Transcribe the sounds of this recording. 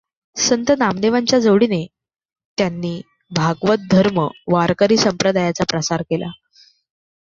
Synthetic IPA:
sənt̪ənamd̪eʋaɲt͡ɕjad͡zəʋɽiːne | t̪janːiː | bʱaɡʋət̪̚d̪ʱəɾməʋaɾkəɾiːsəmpɾəd̪ʱajat͡sapɾəsaɾkela̰

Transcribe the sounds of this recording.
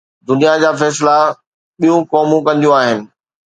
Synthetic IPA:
d̪ʊnijad͡ʑaːfɛːsɪla | ɓijũkɔːmũkɐ̃nd̪ijũaːɦɪnɪ̆

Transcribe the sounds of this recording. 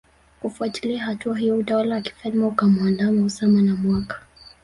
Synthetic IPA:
kufuati̥liaɦatuaɦijɔutawalawaki̥falmaukamwandamausamanamwakḁ

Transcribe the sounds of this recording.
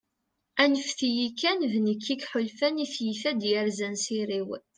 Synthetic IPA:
ænəfθijikːænvnəkʰːikħʊlfæniθjifæd̪jəɾzænsiɾiw

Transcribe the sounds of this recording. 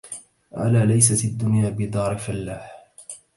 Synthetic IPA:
ʔa̰laːlajs̬at̪ad̪ːʊnjaːbɪd̪ˤɑːɾˤɪkfalːaːħ

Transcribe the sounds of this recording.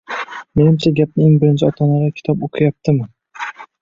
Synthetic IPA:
me̞nɪmt͡ʃʰaɡʲap̚nɪeŋbɪɾɪnt͡ʃʰɪɒt̪ʰɒnaɾakʲʰɪ̥t̪ʰɒpoqʰɨjap̚t̪ʰɪmɪ

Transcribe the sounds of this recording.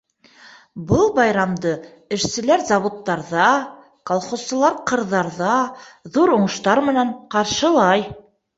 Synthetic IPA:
bɤlˠbɑjɾɑmd̪ɤ | ɘ̆ʃsɘ̆læɾzɑβŏt̪ːɑɾðɑ | kalˠχost̪ɤ̆lˠɑɾqɤ̆ɾðɑɾðɑðuɾŭɴɤ̆ʃt̪ɑɾmɘ̆næɴqɑɾʃɤ̆lˠɑj

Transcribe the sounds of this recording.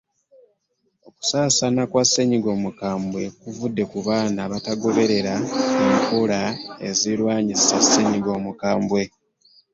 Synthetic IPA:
o̞ku̥saːsanakwasːe̞ɲiɡo̞ːmukaːmbwe̞kuvudːe̞kuβaːnaβataɡo̞βe̞ɾe̞ɾaemikolaḛzilwaːɲizisase̞ɲiɡo̞ːmukaːmbwe̞

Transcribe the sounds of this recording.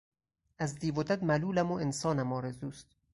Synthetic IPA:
æzd̪iːvod̪æd̪mæluːlæmoensɒːnæmɒːɾezuːst̪̚

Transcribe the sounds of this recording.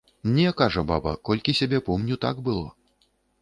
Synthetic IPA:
nʲɛkaʐɐba̰bɐkɔlʲkʲisʲabʲɛpɔmnʲut̪a̰ɡbɨlˠɔ

